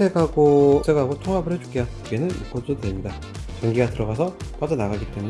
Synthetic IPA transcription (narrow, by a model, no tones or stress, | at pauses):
ekaɡosʰekaɡotʰoŋɦabɯɾet͡ɕu̥k͈eja | ɡe̞nɯniɡʌt͈otwe̞mɲida | t͡ɕʌŋɡiɡatɯɾʌɡasʰʌp͈ad͡ʑʌnaɡaɡit͈e̞mun